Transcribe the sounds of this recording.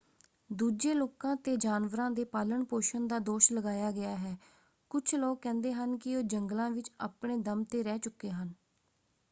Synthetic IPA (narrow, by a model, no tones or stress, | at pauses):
d̪uːd͡ʒeːloːkãːt̪eːd͡ʒaːnʋəɾãːd̪eːpaːləɳpoːʃənd̪aːd̪oːʃləɡaːjaːɡɪjaːɦɛː | kʊt͡ʃʰloːkːɛ̃ːnd̪eːɦənkɪoːd͡ʒəŋɡlãːʋɪt͡ʃa̰ːpɳeːd̪əmt̪eːɾɛːt͡ʃʊkːeːɦən